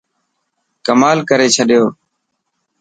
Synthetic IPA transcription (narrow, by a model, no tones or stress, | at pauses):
kəmaːlkəɾeːt͡ʃʰəɗɪjoː